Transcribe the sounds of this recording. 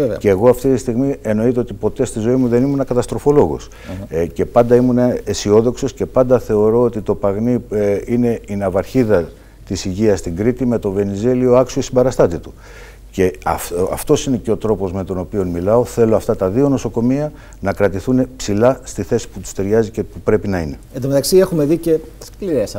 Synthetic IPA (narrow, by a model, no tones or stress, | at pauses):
ceːɣo̞ɐft̪it̪ist̪iɣmie̞no̞it̪e̞ot̪ipo̞t̪e̞st̪izo̞imuðe̞nimunɐkɐt̪ɐst̪ɾo̞fo̞lo̞ɣo̰s | ce̞pɐnd̪ɐimunɐesio̞ðo̞kso̞sce̞pɐnd̪ɐθe̞o̞ɾo̞ot̪it̪o̞pɐɣniine̞inɐvɐɾçiðɐ | t̪isiʝiɐst̪iŋɡɾit̪ime̞t̪o̞ve̞nize̞lio̞ɐksoisimbɐɾɐst̪ɐt̪it̪u̥ | ce̞ɐ̰ɐ̰ft̪o̞sine̞ce̞o̞t̪ɾo̞po̞zme̞t̪o̞no̞pio̞nmilɐo̞θe̞loɐft̪ɐt̪ɐðio̞no̞so̞ko̞miɐ | nɐkɾɐt̪iθune̞psilɐst̪iθe̞si̥put̪u̥st̪e̞ɾʝɐzice̞pupɾe̞pinɐine̞end̪omt̪ɐksiexume̞ðice̞skliɾes